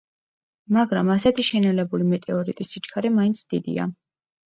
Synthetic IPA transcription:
maɡɾamasɛt̪ʰiʃɛnɛlɛbulimɛt̪ʼɛɔɾḭt̪ʼisit͡ʃkʰaɾɛmaint̪sʰd̪̥id̪ḭa̰

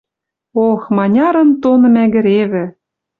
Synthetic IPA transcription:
oxmɑnʲɑɾɤ̆nt̪onɤ̆mæɡɘ̆ɾeβɘ̆

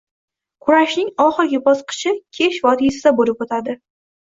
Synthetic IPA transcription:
kʰʊɾaʃnɪŋɒχɨɾɡʲɪbɒsqʰɨ̥t͡ʃʰɪkʲʰeʃvɒt̪ʰisɪd̪abolɪpot̪ʰad̪ɪ

